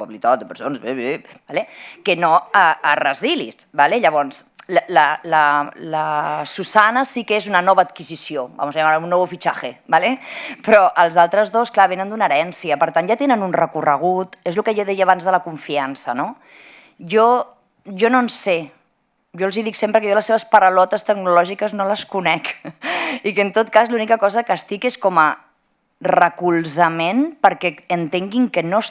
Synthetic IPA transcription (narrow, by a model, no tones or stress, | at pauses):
oβlit̪at̪d̪əpəɾsonzeβebalekənoəːrəzilḭsbaleʎəβ̞ɔnslələlələsusanəsikezunənɔβəːt̪kizisioba̰muzaʎamaɾunːɔβufit͡ʃaxebalepɾɔʔəlˠzalˠt̪ɾəzðosklaβ̞enənd̪unəɾɛnsiəpəɾt̪anʒat̪enənunrəkurəɣ̞ut̪ezlukəʒoðɛjəːβ̞anzðələkuɱfiansə̰no | ʒo | ʒononse | ʒoəlˠziðiksempɾəkəjɔləsːeβəspəɾəlɔt̪əst̪əɡnulɔʒikəznoləskunɛk | ikənt̪ot̪̚kazlunikəkɔzəkəst̪ikeskɔmə | rəkulˠzəmenpəɾkɛənt̪eŋɡiŋkənos